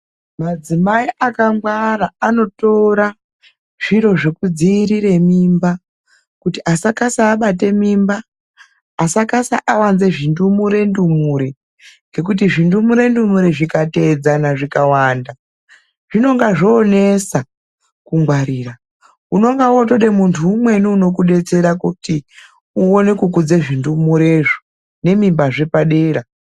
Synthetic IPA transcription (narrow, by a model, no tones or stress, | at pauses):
mad͡zimaiʔakamɡwaɾaano̞to̞ɾa | ʐ̥iɾo̞ʐe̞kud͡ziɾiɾe̞mimba | kutiʔasakasaːɓat̬e̞mimbaː | sakasa̰ʔawanze̞ʐindumuɾe̞ndumuɾe | ŋɡe̞k̬ut̬iʐindumuɾe̞ndumuɾeʐikate̞d͡zanaʐikawaːnda | ʐ̥ino̞ŋɡaʐoːnesa | kuŋɡwaɾiːra | uno̞ŋɡawo̞to̞ɗe̞muntʰuːmwe̞nuuno̞k̬uɗe̞t͡se̞ɾakoti | uonekukud͡zeʐindumuɾeʐo | ne̞mimbaʐe̞paɗeːɾa